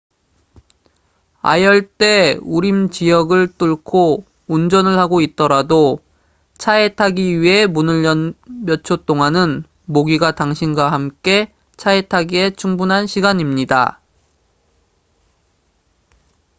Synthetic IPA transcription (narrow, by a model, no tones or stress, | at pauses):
a̰jʌɭt͈e̞uɾimt͡ɕijʌɡɯɭt͈uɭkʰo | und͡ʑʌnɯɭhaɡoit̚t͈ʌɾado | t͡ɕʰaetʰaɡiɥiɦe̞munɯɭʌmjʌt͡ɕʰot͈oŋanɯn | moɡiɡataŋɕʰinɡwaɦamk͈e̞ | t͡ɕʰaetʰaɡie̞t͡ɕʰuŋbunɦanɕʰiɡaɲimɲida̰